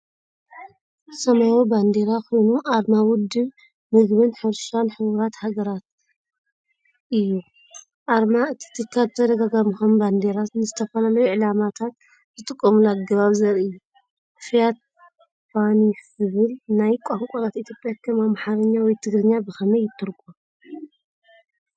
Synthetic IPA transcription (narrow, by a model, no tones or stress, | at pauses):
sɐmajoband̪eɾako̞jnuʔaɾmawʊd̪ɨβ | mɨɡβɨnħɨɾʃanħɨβuɾat̪haɡɐɾat̪ | ʔɨjːu | ʔaɾmaɨt̪ʰi̥t̪ʰɨkʰːazɨt̪ʰɐd̪ɐɡaɡamixomband̪e̞ɾat̪nɨzɨt̪ʰɐfɐlalɐjuʕɨlamat̪ʰat̪ | zɨt̪ʼɨkʼːɐmulaɡɐβaβzɐɾiɨjːu | fijat̪̚ | fanizɨβɨlnajkʷʼaŋkʷʼoɾat̪it̪ʰjopʼjakʰɐmamħaɾɐɲːawɔjt̪ʰɨɡɾɨɲːabɨxɐmɐjːɪt̪ʰːɨɾɡʼo